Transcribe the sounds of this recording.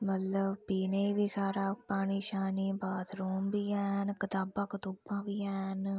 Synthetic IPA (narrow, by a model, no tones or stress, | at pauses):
mət̪ləbpiːneːiːʋiːsaːɾaːpaːɳiːʃaːniːbaːt̪ɾuːmbiːɛːnkɪt̪aːbãːkət̪ubãːʋiːɛːn